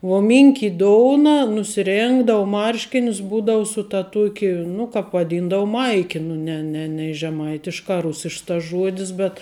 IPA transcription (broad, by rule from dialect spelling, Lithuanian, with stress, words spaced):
ʋuɔ ˈmʲɪŋʲkʲɪtʲ ˈdoːʊnɐ nʊsʲɪˈrʲeːŋɡdɐʋʊ ˈmɐrʲʃʲkʲɪnʲʊs ˈbuːdɐʊ sʊ tɐ ˈtuɔkʲɪ nʊ ˈkɐp ʋɐˈdʲiːndɐʋʊ ˈmɐɪkʲɪ nʊ ˈnʲɛ nʲɛ nʲɛɪ ʒʲɛˈmɐɪtʲɪʃkɑː ˈrʊsʲɪʃks tɐs ˈʒuɔdʲɪs bʲɛt